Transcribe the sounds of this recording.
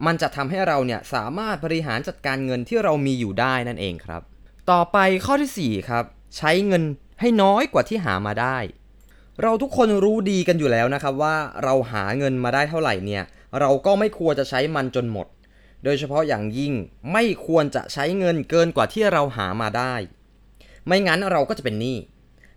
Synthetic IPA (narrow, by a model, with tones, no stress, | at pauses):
ma˧nt͡ɕa˨˩t̪ʰa˧mɦa˥˩jɾa˧wni˥˩ɐəsa̰ː˩˦maː˥˩t̪̚bɔ˧ɾi˧ɦaː˩˦nt͡ɕa˨˩t̪̚kaː˧nŋɤ˧nt̪ʰiː˥˩ɾa˧wmiː˧juː˨˩daː˥˩jna˥˩nʔḛː˧ŋkʰɾa̰˦˥p̚ | t̪ɔː˨˩pa˧jkʰɔː˥˩t̪ʰiː˥˩siː˨˩kʰɾa˦˥p̚ | t͡ɕʰa˦˥jŋɤ˧n | ha˥˩jnɔː˦˥jkwaː˨˩t̪ʰiː˥˩ɦa̰ː˩˦maː˧daː˥˩j | ɾa˧wt̪ʰu˦˥kʰːo˧nɾuː˦˥diː˧ka˧njuː˨˩lɛː˦˥wna˦˥kʰɾa˦˥p̚waː˥˩ɾa˧wɦa̰ː˩˦ŋɤ˧nmaː˧daː˥˩jt̪ʰa˥˩wɾa̰˨˩jni˥˩ɐ | ɾa˧wkɔː˥˩ma˥˩jkʰu˧ənt͡ɕa˨˩t͡ɕʰa˦˥jma˧nt͡ɕo˧nmo̰˨˩t̪̚ | doː˧jt͡ɕʰa˧pʰɔ˦˥ja̰ː˨˩ŋji˥˩ŋma˥˩jkʰu˧ənt͡ɕa̰˨˩ʔt͡ɕʰa˦˥jŋɤ˧nkɤː˧nkwaː˨˩t̪ʰiː˥˩ɾa˧wɦa̰ː˩˦maː˧daː˥˩j | ma˦˥˩jŋa˦˥nɾa˧wkɔː˥˩t͡ɕa˨˩pe˧nːiː˥˩